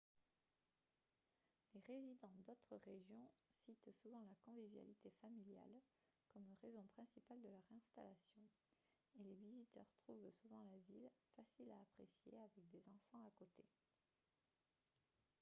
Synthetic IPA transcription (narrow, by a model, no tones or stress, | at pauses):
leʁezid̪ɑ̃d̪ot̪χəʁeʒjɔ̃sit̪suvɑ̃lakɔ̃vivja̰lit̪efamilja̰l | kɔmʁezɔ̃pχɛ̃sipald̪əlœʁɛ̃st̪alasjɔ̃ | elevizit̪œ̰ʁt̪χuvsuvɑ̃lavilfasilaːpχesjḛavɛk̚d̪ezɑ̃fɑ̃akot̪ʰe